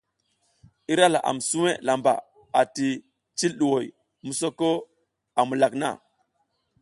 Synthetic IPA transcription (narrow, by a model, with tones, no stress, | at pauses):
i˦ɾa˦la̰˨ʔa̰˨m˨su˦we˦la˨mba̰˨ | a˨ti˨ | t͡ʃi˦lɗu˨wo˨j | mu˨so˦ko˦ | a˨mu˨la˨kna̰˦˨